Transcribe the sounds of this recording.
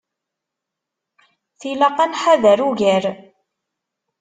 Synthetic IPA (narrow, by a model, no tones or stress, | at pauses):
θilɑqænħaðæɾuʝæɾ